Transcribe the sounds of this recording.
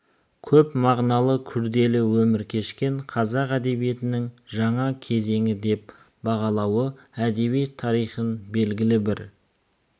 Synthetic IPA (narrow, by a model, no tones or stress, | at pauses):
kʲʰɵpmɑʁnɑlˠəkʲʰʏɾd̪e̞lɪwɵmɪɾkʲʰe̞ʃkʲe̞ɴqʰɑzɑqæd̪e̞bije̞t̪ɪnɪŋʒɑɴɑkʲʰe̞ze̞ŋɪd̪e̞p | bɑʁɑlˠɑwə | æd̪e̞βijt̪ʰːɑɾijχənbe̞lɡʲɪlɪbɪɾ